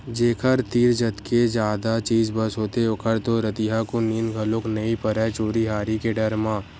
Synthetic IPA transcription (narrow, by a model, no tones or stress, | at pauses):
d͡ʒeːkʰəɾt̪iːɾd͡ʒɐt̪ked͡ʒaːd̪at͡ʃiːzbɐsɦoːt̪eokʰəɾt̪oɾɐt̪iɦakoniːnɡʱɐlõːknɐipɐɾɛt͡ʃoːɾiɦaːɾikeɖɐɾmãː